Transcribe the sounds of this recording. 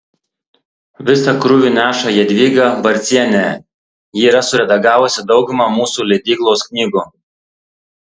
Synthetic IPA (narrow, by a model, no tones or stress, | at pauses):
ʋʲɪsɐkɾʊʋʲuːˑnʲæːʃɐjiɛd̪ʲʋʲiːɡɐbɐɾʲt̪sʲiɛnʲæ | jiːɾɐsʊɾʲɛd̪ɐɡɑːʋʊsʲɪd̪ɒʊɡʊmɐmuːsuːlʲɛɪd̪ʲiːklˠoːsknʲiːɡu